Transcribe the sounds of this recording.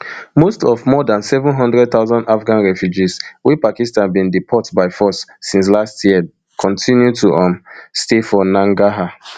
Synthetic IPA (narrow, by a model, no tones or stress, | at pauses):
mostɔvmɔdãnsɛvũnɦɔ̃ndɹɛd̚t̪aʊzɔ̃ndafɡãnɹɛfjud͡ʒiswipakistãnbĩndipʰɔtbaɪfɔsːĩns̬lastʰjiə | kʰɔ̃ntʰĩnjutuʔãnstefɔnãŋɡaɦa